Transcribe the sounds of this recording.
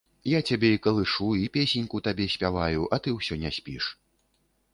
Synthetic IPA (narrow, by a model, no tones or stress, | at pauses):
jat͡sʲabʲɛikɐlˠɨʂuipʲesʲenʲkut̪abʲɛsʲpʲavajuʔɐt̪ɨwsʲɔnʲɛsʲpʲiʂ